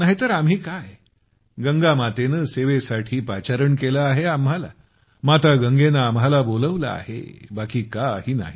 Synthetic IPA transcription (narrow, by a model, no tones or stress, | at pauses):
naɦit̪əɾamɦiːkaj | ɡəŋɡamat̪enəːseʋesaʈʰiːpat͡ɕaɾəɳkelaaɦeamɦala̰ | mat̪aɡəŋɡenaːmɦalaboləʋla̰a̰hḛbakiːkaɦiːna̰ɦi